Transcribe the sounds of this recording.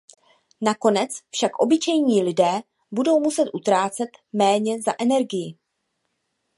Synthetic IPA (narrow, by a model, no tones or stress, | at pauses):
nako̞nɛt͡sfʃakʔo̞bɪt͡ʃɛjɲiːlɪdɛː | budo̞wmusɛt̪ʔut̪ɾaːt͡sɛt̪mɛːɲɛzaʔɛnɛɾɡɪjɪ